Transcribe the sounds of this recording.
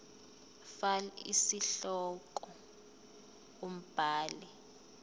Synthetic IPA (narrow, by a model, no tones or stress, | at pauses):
falḭsiɬɔkɔ | om̩b̥ʱaːlɛ